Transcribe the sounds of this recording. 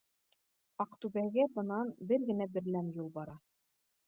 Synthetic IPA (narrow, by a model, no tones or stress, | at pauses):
ɑqt̪ʉβæɡæbɤ̆nɑnbɘɾɡɘ̆næbɘ̆ɾlænjulˠbɑɾɑ